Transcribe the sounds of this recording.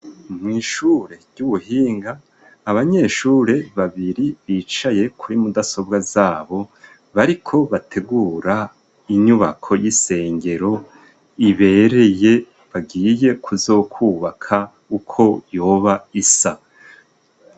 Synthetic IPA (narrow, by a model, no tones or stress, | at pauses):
mŋiːʃuːɾe̞ɾɟ̥uβuhiːŋɡaː | βaɲe̞ʃuːɾe̞βaβiɾiβiːt͡ʃaje̞kʰuɾimudaso̞bɡazaːβo̞ | βaɾikʰo̞βatʰe̞ɡuːɾa | iɲuβa̰kʰo̞jise̞ːɲɡe̞ɾo̞ | iβe̞ɾe̞je̞ | βaɡiːje̞kʰuzo̞ːkʰuβakʰa | ukʰo̞jo̞ːβaisa